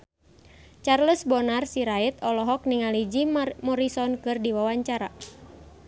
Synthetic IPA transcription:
t͡ʃarləsbɔnarsiɾait̪ɔlɔɦɔk̚niŋalid͡ʒimɔɾisɔnkɨrdiwawaɲt͡ʃaɾa̰

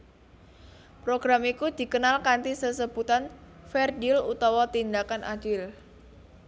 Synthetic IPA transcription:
pɾoɡ̥ɾamikud̪̥i̤kənalkant̪isəsəbut̪an | fɛrdilut̪awɔt̪ind̪akanʔa̰d̥ɪl

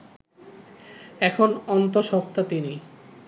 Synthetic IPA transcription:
ɛkʰonɔnt̪oʃɔk̚t̪at̪ini

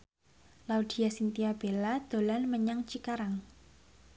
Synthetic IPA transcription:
laud̪̥i̤jasint̪iab̥elad̪̥o̤lanməɲaŋt͡ʃikaɾaŋ

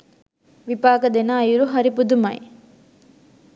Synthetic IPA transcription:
ʋipaːkɐd̪enaːjuɾuɦɐɾipud̪umɐ̰j

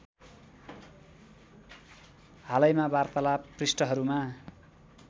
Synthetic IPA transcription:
halʌjmabart̪alaprisʈʌɦʌɾuma

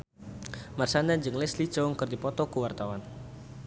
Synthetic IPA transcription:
marsanaɲd͡ʒɨŋlɛsli̥d͡ʒɔŋkərdipɔt̪ɔkuwart̪awan

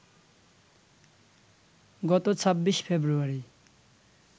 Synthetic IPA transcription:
ɡɔt̪ot͡sʰʌbːispʰebɾuaɾi

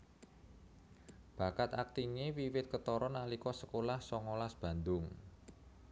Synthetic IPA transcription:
b̥a̤kat̪ak̚t̪iŋewiwɪt̪̚kət̪ɔɾɔnalikɔsəkolahsɔŋɔlasb̥ä̤nd̪ʊŋ

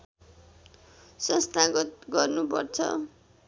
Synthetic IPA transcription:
sʌ̃st̪aɡʌt̪̚ɡʌrnupʌ̰rt͡sʰʌ̰

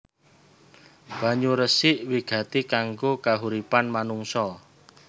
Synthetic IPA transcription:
b̥a̤ɲuɾəsɪʔwiɡ̥a̤t̪ikaŋɡokaɦuɾipanmanuŋsɔ

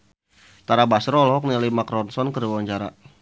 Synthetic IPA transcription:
t̪aɾabasɾɔlɦɔk̚nialimakɾɔnsɔnkəɾiwwaɲt͡ʃaɾa̰

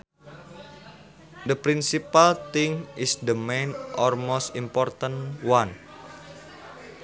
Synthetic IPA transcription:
d̪əpɾinsipalt̪ɪŋisd̪əmejnʔɔlmost̪impɔrt̪ənwan

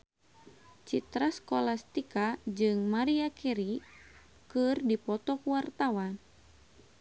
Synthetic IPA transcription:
t͡ʃit̪ɾaskolast̪ikad͡ʒɨŋmaɾiakɛɾi | kɨrdipɔt̪ɔkuwart̪awan

